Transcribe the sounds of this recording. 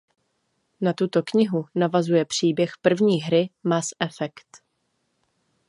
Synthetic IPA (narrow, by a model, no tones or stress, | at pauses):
nat̪ut̪o̞kɲɪɦunavazujɛpr̝̥iːbjɛxpr̩vɲiːɦɾɪmasʔɛfɛkt̪